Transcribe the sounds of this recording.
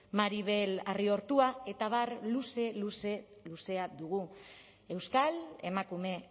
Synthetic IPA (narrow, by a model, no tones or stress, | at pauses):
maɾiβ̞e̞lario̞ɾt̪uae̞t̪aβarluse̞luseluse̞ad̪uɣu | e̞wskale̞makume̞